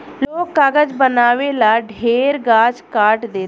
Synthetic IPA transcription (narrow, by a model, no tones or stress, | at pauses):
loːkːaːɡəd͡ʒbənaːʋeːlaːɖʱeːɾɡaːd͡ʒkaːʈd̪eː